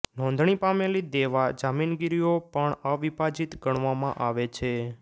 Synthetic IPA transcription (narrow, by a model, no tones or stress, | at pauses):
nɔ̃nd̪ʱɳ̃ipamelid̪eʋad͡ʒaminɡiɾijopəɳəʋibad͡ʒit̪ɡəɳʋamãʔaʋet͡ʃʰe